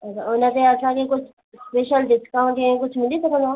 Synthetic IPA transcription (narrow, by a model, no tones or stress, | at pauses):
ɐt͡ʃʰa̰ʊnət̪ẽɐsãkekʊt͡ʃʰ | speːʃəlɖɪskãʈẽkʊt͡ʃʰmɪlisɐkʰə̃nd̪o